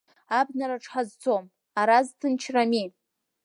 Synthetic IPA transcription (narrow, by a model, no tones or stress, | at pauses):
abnaɾaʈ͡ʂʰʼħazt͡sʰom | aɾaztʰɨnt͡ʃʰrami